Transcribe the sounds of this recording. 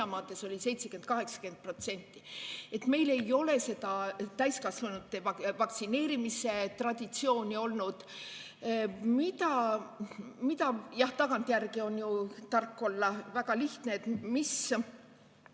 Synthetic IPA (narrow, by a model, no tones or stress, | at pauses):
ɑmɑːt̪ˑːe̞so̞lʲise̞jt̪se̞kent̪̚kɑɦe̞ksɑ̥kyeen̚pro̞t̪se̞nʲt̪ːˑie̞t̪me̞jle̞jo̞le̞se̞t̪ɑt̪æjskɑsvɑnud̪ːevɑvɑksine̞ːɾimise̞t̪rɑd̪̥ʲit̪sio̞ːnʲio̞lnud̪̥ | mit̪ɑ | mit̪ɑjɑht̪ɑɡɑnt̪ˑjærɡ̥io̞njut̪ɑrkːo̞lːɑvæɡɑliht̪neet̪mis